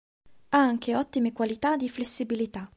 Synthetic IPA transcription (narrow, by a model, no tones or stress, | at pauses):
aŋk̟eɔt̪ːimekwalit̪ad̪ːiflesːibilit̪a